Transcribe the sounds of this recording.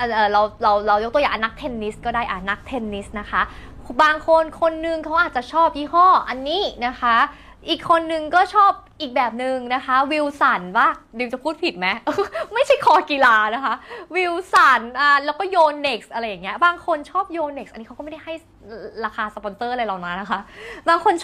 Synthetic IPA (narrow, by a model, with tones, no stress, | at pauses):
ʔaː˨˩ʔɤː˨˩ɾa˧wɾa˧wɾa˧wjo˦˥k̚t̪ja˨a˨˩na˦˥k̚t̪ʰe˧nːi˦˥s̚kɔː˥˩daː˥˩jʔa˨˧˩na˦˥k̚t̪ʰe˧nːi˦˥st̪̚na˦˥kʰa˦˥ʔ | baː˧ŋkʰo˧nkʰo˧nːɯ˧ŋkʰa˦˥wʔaː˨˩t͡ɕa˨˩t͡ɕʰɔː˥˩p̚jiː˥˩hɔː˥˩ʔa˧nːiː˦˥na˦˥kʰa˦˥ | ʔiː˨˩kʰːo˧nːɯ˨˧ŋkɔː˥˩t͡ɕʰɔː˥˩p̚ʔiː˨˩k̚bɛː˨˩p̚nɯ˨˧ŋna˦˥kʰa˦˥wi˧wsa˨˩˦nwaː˥˩dɯː˧mt͡ɕa˨˩pʰuː˥˩t̪̚pʰi˨˩t̪̚mɛ˦˥ʔma˥˩jt͡ɕʰa˥˩jkʰɔː˧ki˧laː˧na˦˥kʰa˦˥ʔwi˧wsa˨˩˦nʔaː˨˩lɛː˦˥wkɔː˥˩joː˧nːe˨˩k̚sʔa˧ɾa˧jːa˨˩ŋːi˦˥ɐbaː˧ŋkʰo˧nt͡ɕʰɔː˥˩p̚joː˧ne˨˩k̚sʔa˧niː˦˥a˦wːm˥˩da˥˩ha˥˩j | ɾaː˧kaː˧sa˧pɔ˧˦nsɤː˥˩laː˧jlaː˨˩naː˨˧˥na˦˥kʰa˦˥ʔbaː˧ŋkʰo˧n